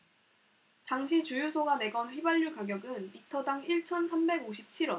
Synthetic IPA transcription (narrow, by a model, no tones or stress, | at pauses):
taŋɕʰit͡ɕujusʰoɡane̞ɡʌnɸwibaʎːukaɡjʌɡɯnitʰʌdaŋiɭt͡ɕʰʌnsʰambe̞ɡoɕʰip̚t͡ɕʰiɾʌ